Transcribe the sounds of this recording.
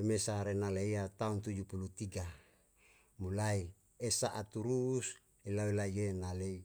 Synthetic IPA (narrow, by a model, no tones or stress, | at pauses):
emesaɾenaleiat̪aunt̪ud͡ʒupulut̪iɡa | mulai | esaʔat̪uɾus | ilawilaijenalei